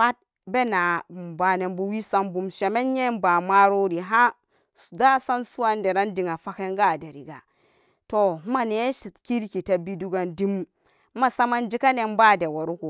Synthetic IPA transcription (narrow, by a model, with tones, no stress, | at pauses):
wa˦t̚ | be˦na˨m˨ba˨ne˨mbu˦wi˦sa˦mbu˨mʃe˨me˦nɲe˦mba˨ma˦ɾo˦ɾi˨ɦa˦ | sda˦sa˦nsu˦wa˦nde˨ɾa˦ndi˨ŋa˨fa˦ke˦ŋɡa˦˨de˨ɾi˨ɡa˨ | to˨˦ma˨ne˨˦ʃi˨tki˦ɾki˨ta˨˦bi˦du˦ɡa˨ndi˦m˦ | ma˨sa˦ma˦nd͡ʒi˦ka˦ne˨mba˦˨de˨wa˨ɾu˦ku˨